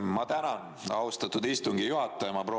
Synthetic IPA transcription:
mɑt̪ænɑn | ɑwst̪ɑt̪ːud̪ist̪uŋɡijuɦɑt̪ːˑɑjɑmɑpɾo

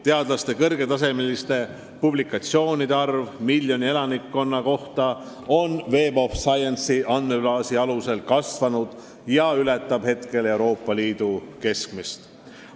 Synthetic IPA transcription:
t̪e̞ɑd̪̥lɑst̪e̞kɤrɡ̥e̞t̪ɑs̬e̞melist̪e̞ | publikˑːɑt̪sio̞ːnid̪e̞ɑrvmiljo̞nie̞lɑnikːo̞nːɑko̞ht̪ɑ | o̞nve̞ːbo̞fsɑjensiʔɑnme̞b̥lɑːsiɑluse̞lkɑsvɑnud̪̥ | jɑylɛt̪ːˑɑb̥he̞t̪ke̞le̞uɾo̞ːpːˑɑliːd̪̥uke̞skmist̪

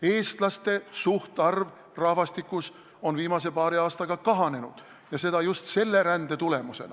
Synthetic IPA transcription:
e̞ːst̪lɑst̪e̞suht̪ɑrv | rɑhvɑst̪ikːˑus | o̞nviːmɑse̞pɑːɾiɑːst̪ɑɡ̥ɑkɑɦɑne̞nud̪̥ | jɑse̞d̪̥ɑjust̪se̞lːe̞ɾænd̪̥e̞t̪ule̞muse̞̰n̰

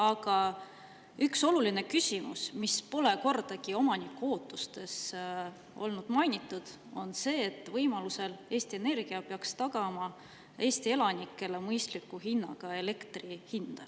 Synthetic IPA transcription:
ɑɡɑ | ykso̞luline̞kysʲimṵsmispo̞le̞ko̞rd̪̥ɑkio̞mɑnikːo̞ːt̪ːˑust̪e̞s | o̞̰lnud̪̥mɑjnʲit̪ːˑud̪̥ | o̞nse̞ːt̪ːˑvɤjmɑluse̞le̞ːst̪ie̞ne̞rɡ̥iɑpeɑkst̪ɑɡɑmɑ | e̞ːst̪ie̞lɑnikːˑe̞le̞mɤjst̪likːˑuɦinːɑ̰ɡ̥ɑe̞le̞kt̪rihind̪̥ɑ

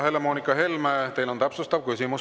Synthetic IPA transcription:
he̞lemo̞ːnikːˑɑhe̞lmet̪e̞jlo̞nt̪æpsust̪ɑvkys̬imu

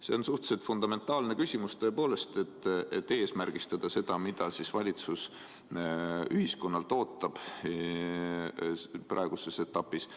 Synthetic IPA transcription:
se̞onsuht̪selt̪fund̪̥ɑme̞nt̪ːˑɑːlne̞kysʲimust̪ø̞ːpo̞ːle̞st̪e̞t̪ːet̪ːe̞ːsmærɡ̥ist̪ɑd̪̥ɑse̞d̪̥ɑmid̪̥ɑsisvɑlʲit̪sus | yhisko̞nːɑlt̪o̞ːt̪ːˑɑb̥ | prʔɑ̰eɡ̥use̞se̞t̪ːɑpːˑis

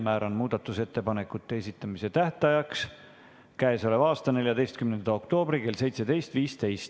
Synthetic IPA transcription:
mæːɾonmuːd̪̥ɑt̪ːˑuse̞t̪ːe̞pɑne̞kːˑut̪ˑːe̞esit̪ːˑɑmise̞t̪æht̪ɑjɑks | kæeso̞levɑːst̪ɑne̞ljɑd̪e̞jst̪kymnend̪ɑo̞kt̪o̞ːbɾike̞lse̞jt̪se̞d̪̥e̞jst̪viːst̪e̞jst̪

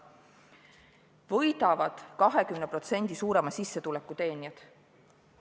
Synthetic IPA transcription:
vɤ̞jd̪ɑvɑd̪̥kɑɦe̞kymnepro̞t̪se̞nʲd̪̥isuːɾe̞mɑsisːe̞t̪ulekːˑut̪e̞ːniɑt̪

